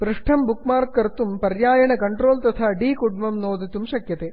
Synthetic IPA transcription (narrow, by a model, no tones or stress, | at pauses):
ʋɾɨʂʈʰɐmbukmaːrkːɐɾt̪ːumpɐrjaːjɐɳɐkɐɳʈroːlt̪ɐt̪ʰɐɖiːkuɽumɐmnoːd̪ɐt̪ːumɕɐkjɐt̪e